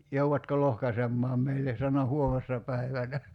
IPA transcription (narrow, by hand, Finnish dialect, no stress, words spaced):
jouʋɑtko lohkɑsemːɑːm meilːe sɑno huomesːɑ pæiʋænæ